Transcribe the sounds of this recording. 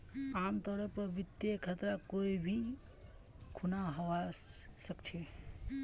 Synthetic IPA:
amt̪əɾəpɾəbit̪jekʰət̪ɾakoibʱi | kʰunaɦəwasəkt͡ʃʰe

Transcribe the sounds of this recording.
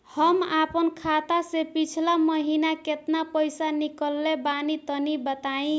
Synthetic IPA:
həmapənkʰat̪asepit͡ʃʰlaməɦinaket̪napəjsanikəlːebanit̪ənibət̪aĩ

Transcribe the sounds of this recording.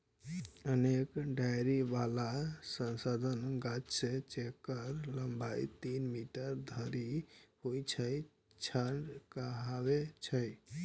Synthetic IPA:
ənekɖajɾiʋalasə̃nsad̪ʱənɡat͡ʃset͡ʃekːəɾləmbʱajt̪inmiʈəɾd̪ʱəɾihojt͡ʃʰəj | t͡ʃʰaɳɖkəɦaʋet͡ʃʰəj

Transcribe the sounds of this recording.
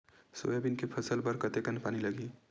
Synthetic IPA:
so̰jabinkepʰəsəlbəɾkət̪ekənpaniləɡi

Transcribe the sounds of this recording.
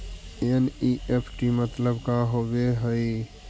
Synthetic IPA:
eniʔepʰʈimət̪ləbkaɦoʋeɦəi

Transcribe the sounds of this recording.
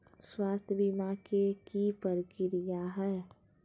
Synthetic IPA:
swaːst̪ʰjəbimakekipəɾkɪɾijaɦɛː

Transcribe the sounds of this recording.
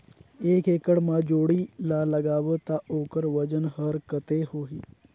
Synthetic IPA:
eːkeːkəɽmad͡ʒoːɽilaləɡaːʋət̪aoːkəɾʋəd͡ʒənhəɾkət̪ehoːɦiː

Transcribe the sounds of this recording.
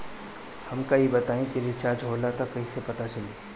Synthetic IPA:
hɐmkaibɐt̪aːẽkiɾɪt͡ʃaːɾd͡ʒɦoːlat̪akɐɦĩsepɐt̪at͡ʃɐliː

